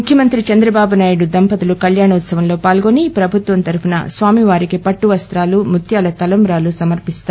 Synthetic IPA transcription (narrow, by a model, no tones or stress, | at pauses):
mukʰjɐmɐnt̪ɾit͡ʃɐnd̪ɾɐbaːbunaːjuɽud̪ɐmpɐt̪ulukɐljaːɳɐut̪sɐʋɐmlo̞ːpaːlɡo̞ːnipɾɐbʱut̪ʋɐnt̪ɐɾupunɐ̰sʋaːmiʋaːɾikipɐʈːuʋɐst̪ɾaːlumut̪ʰjaːlɐt̪ɐlɐmbɾaːlusɐmɐɾpist̪aː